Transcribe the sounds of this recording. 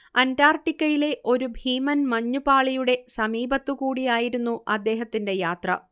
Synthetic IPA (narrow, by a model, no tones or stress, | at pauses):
ɐndaːrʈːikʲːɐjile̞ʔo̞ɾubʱiːmɐnmɐɲːupaːɭijuɽe̞sɐmiːbɐt̪ːukuːɽijaːjiɾunːuɐd̪ːe̞ːɦɐt̪ːinde̞jaːt̪rɐ̰